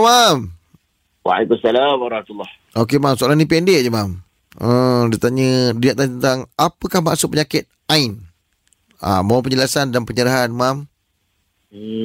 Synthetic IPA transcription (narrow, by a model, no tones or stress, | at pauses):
mam | wa̰ikusalamaɾɑhmat̪ulːɑh | ok̬emãmsoalahnĩpɛndeʔd͡ʒəmam | ədiaʔt̪aɲədiaʔ̚t̪aɲət̪ənt̪aŋapəkahma̰ʔsʊʔpəɲakɪt̪̚ | ain | a̰mawapəɲd͡ʒəlasandanpəɲəɾaɦanmam